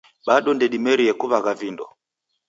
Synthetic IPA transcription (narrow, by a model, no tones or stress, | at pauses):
ɓaɗɔndɛɗimɛɾiɛkuβaɣavindɔ̰